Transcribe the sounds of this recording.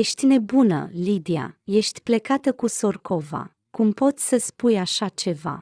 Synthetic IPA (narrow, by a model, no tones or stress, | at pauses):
jeʃt̪ʲne̞bunə̰lid̪ia̰je̞ʃt̪ʲple̞kat̪əkuso̞rkʰo̞va̰ | kumpo̞t̪sʲsəspujaʃat͡ʃe̞va̰